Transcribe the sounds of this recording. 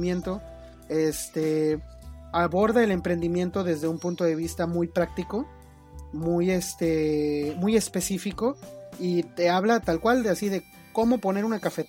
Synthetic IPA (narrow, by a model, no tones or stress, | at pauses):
mjent̪o̞ | est̪e | aβo̞ɾðae̞le̞mpɾe̞nd̪imje̞nt̪o̞ðe̞zðe̞umpunt̪o̞ðe̞β̞ist̪amujpɾak̚t̪iko̞ | mujest̪emuje̞spe̞sifiko̞it̪eaβ̞lat̪alkwald̪easiðe̞ | ko̞mo̞po̞ne̞ɾunakafe